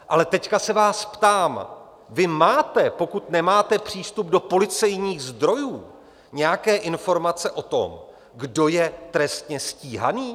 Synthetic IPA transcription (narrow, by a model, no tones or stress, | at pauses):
ʔalɛt̪ɛckasɛvaːspt̪aːm | vɪmaːt̪ɛpo̞kut̪nɛmaːt̪ɛpr̝̥iːst̪ub̚do̞po̞lɪt͡sɛjɲiːxzd̪ɾo̞juː | ɲɛjakɛːʔɪnfo̞ɾmat͡sɛʔo̞t̪o̞̰m | ɡdo̞jɛt̪ɾɛst̪ɲɛsciːɦa̰niː